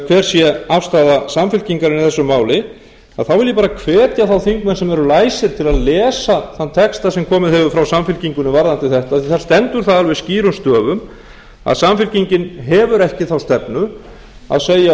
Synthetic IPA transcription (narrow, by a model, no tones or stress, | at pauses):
kʰvɛːɾ̥sjɛafst̪aːðasamfɪl̥ciŋkaɾɪniθɛsːʏmaːwlɪ | aðθawvɪljɛpaːɾakʰvɛːt̪jaθawθiŋkmɛnsɛmɛɾʏlaːjsɪɾ̥t̪ʰɪlaðlɛːsaθant̪ʰɛkst̪asɛmkʰɔːmɪðɦɛvʏfɾawsamfɪlciŋkʏnːʏvaɾðant̪ɪθɛht̪aθiθaɾ̥st̪ɛnt̪ʏɾ̥θaðalvɪsciːɾʏmst̪œːvʏm | a̰ðsamfɪl̥ciɲcɪnɦɛvʏɾɛhcɪθawst̪ɛpnʏ | a̰ðseːja